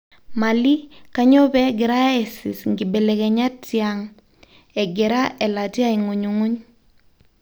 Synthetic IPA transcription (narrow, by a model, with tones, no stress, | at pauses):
ma˨li˦ka˨ɲo˦bɛ˦ɡɪ˨ɾa˦ɛ˨si˨sŋɡi˨bɛ˨lɛ˨kɛɲa˦tːjaŋ | ɛ˨ɡɛ˨ɾa˦ʔɛ˨la˨ti˦a˦iŋu˨ɲu˨ŋu˦ɲ